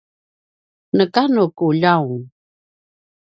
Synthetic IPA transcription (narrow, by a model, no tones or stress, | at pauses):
nəkanukuʎawuŋ